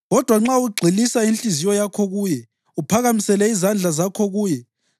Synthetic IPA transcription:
ɣɔd̥ʱwaŋ͡ǁauɡ͡ǀʱilisainɬizijɔjakʰɔɣuːjɛ | upʰaɣamisɛlɛizand͡ɮʱazakʰɔɣuːjɛ

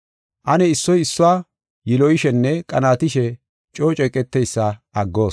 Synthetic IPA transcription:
ʔɐnɛɪsːɔjɪsːʊwaː | jɪlɔjɪʃɛnːɛkʼɐnaːt̪ɪʃɛ | t͡ʃʼo̞ːt͡ʃʼɛkʼɛt̪ːɛjsːɐʔɐɡːo̞ːs

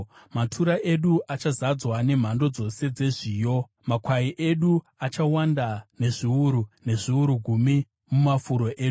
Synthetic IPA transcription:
matʰuɾaʔe̞ɗuʔat͡ʃazad͡zwane̞m̤ando̞d͡zo̞se̞d͡ze̞ʐiːjo̞ | makwaiʔe̞ɗu | at͡ʃawandane̞ʐiuɾune̞ʐiuɾuɡʱumi | mumafuɾo̞ʔeːɗu

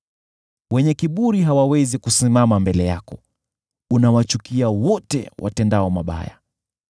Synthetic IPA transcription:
wɛɲɛkiɓuɾiɦawawɛzikusimamambɛlɛjakɔ | unawat͡ʃukiawɔtɛ̰wʔa̰tɛndaɔmaɓa̰ja̰

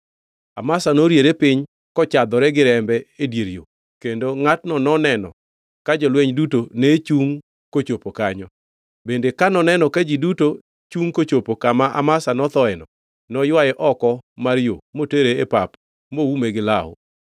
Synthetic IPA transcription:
amasanoɾjeɾepɪɲ | kɔt͡ʃad̪ɔɾɛɡɪɾɛmbɛedjeɾjo̰ | kendoŋatnɔnɔnɛnɔ̰ | kad͡ʒɔlweɲdutonet͡ʃuŋ | kot͡ʃopokaɲɔ | bendekanɔnɛnɔkad͡ʒiduto | t͡ʃuŋkot͡ʃopokamaʔa̰masanɔt̪ɔɛnɔ | nɔjwajɛʔɔkɔmaɾjomoteɾeepap | mowumeɡɪlaʊ̰

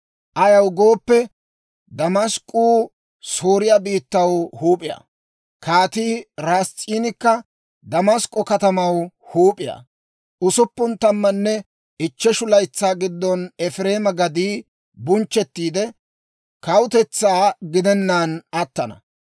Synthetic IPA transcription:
ʔɐjɐwɡoːpːɛ | d̪ɐmɐskʼuː | soːɾɪjabiːt̪ːɐwhuːpʼɪjɐ̰ | kʰaːt̪iːɾaːst͡sʼːiːnɪkːɐ | d̪ɐmɐskʼːɔkɐt̪ɐmɐwhuːpʼɪja̰ | ʔʊsʊpːʊnt̪ɐmːɐnːɛ | ɪt͡ʃːɛʃʊlɐjt͡sːaːɡɪd̪ːɔnɛfɾe̞ːmɐɡɐd̪iː | bʊnt͡ʃːɛt̪ːiːd̪ɛ | kɐwʊt̪ɛt͡sːaːɡɪd̪ɛnːaːnɐt̪ːɐnɐ̰

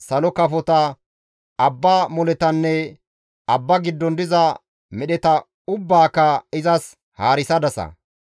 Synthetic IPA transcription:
sɐlɔkɐfɔt̪ɐ | ɐbːaːmɔlɛt̪ɐnːɛ | ɐbːɐɡɪd̪ːɔnd̪ɪzɐ | mɛɗɛt̪ɐ | ʊbːaːkːɐɪzɐs | haːɾɪsɐd̪ɐsɐ̰

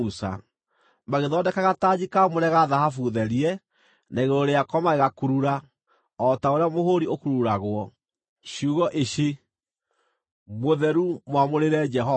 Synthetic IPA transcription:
usa̰ | maɣeðɔːdɛkaɣatad͡ʑikamoɾɛɣaðaɦafuðɛɾiɛ | naiɣeɾoɾeakɔmaɣeɣakuɾuɾa | ɔtaoɾeamohoɾiokuɾuɾaɣwɔ | ɕiuɣɔʔeɕe | moðɛɾumwamoɾeɾɛd͡ʒɛɦɔ

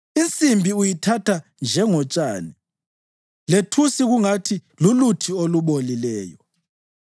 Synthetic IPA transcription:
int͡sʼimbʱiujitʰatʰand͡ʒʱɛŋɔt͡ʃʼaːni | letʰusiɣuŋatʰilulutʰioluɓolilɛːjɔ

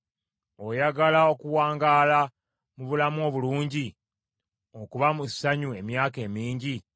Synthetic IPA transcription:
ojaɡalao̞kuwaːŋɡaːla | muβulamuo̞ːβuluːɲɟi | o̞kuβamusaɲue̞mjaːke̞ːmiːɲɟi

